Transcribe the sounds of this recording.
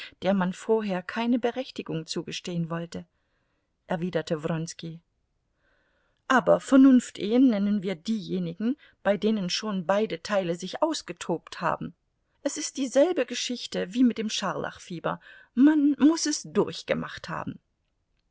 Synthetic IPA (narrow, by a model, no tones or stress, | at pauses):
d̥eːɐmanfoːɐɦeːɐkʰaɪnəbəʁɛçtɪɡʊŋt͡suːɡəʃteːənvɔltə | ʔɛɐviːdɐtʰəvʁɔnski | ʔaːbɐfɛɐnʊnftʔeːənːɛnənviːɐdiːjeːnɪɡŋ̩ | b̥aɪdeːnənʃoːnbaɪdətʰaɪləzɪçʔaʊsɡ̥ətʰoːptha̰ːbm̩ | ʔɛsɪst̚d̥iːzɛlbəɡəʃɪçtəviːmɪt̚d̥eːmʃaɐlʔa̰χfiːbɐ̰ | manmʊsɛsd̥ʊɐçɡ̥əma̰χtha̰ːbm̩